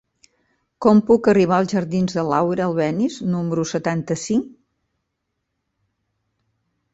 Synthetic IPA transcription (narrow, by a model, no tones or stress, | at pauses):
kɔmpukəriβ̞aəlˠzʒəɾðinzðəlawɾəːlˠβɛniznuməɾusət̪ant̪əsiŋk